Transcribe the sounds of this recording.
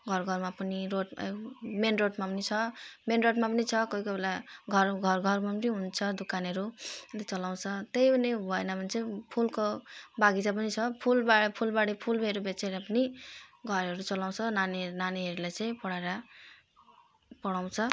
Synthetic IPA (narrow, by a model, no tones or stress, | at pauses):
ɡʱʌrɡʱʌrmapʌniɾoʈmenroʈmapʌnit͡sʰʌmenroʈmapʌnit͡sʰʌkʌikobelaɡʱʌrɡʱʌrɡʱʌrmapʌniɦunt͡sʰʌd̪ukanɦʌɾulet͡sʌlaw̃t͡sʰʌt̪ejbʌnebʱʌenʌbʱʌnt͡sʌj̃pʰulkobaɡid͡zap̬ʌnit͡sʰʌpʰulbapʰulbaɽipʰulbeɾubet͡seɾapʌniɡʱʌɾɦʌɾut͡sʌlaw̃t͡sʰʌnanenaneɦʌɾulajt͡sʌj̃pʌɽaeɾa | pʌɽaw̃t͡sʰʌ